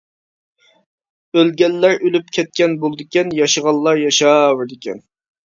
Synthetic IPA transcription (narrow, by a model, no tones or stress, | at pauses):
ølɡʲɛlːæɾʔølypkʲʰɛt̪̚kʲɛnbolˠd̪ɪkʲɛnjɑʃəʁɑlˠːɑɾjɑʃɑwəɾd̪ɪkʲɛ̰n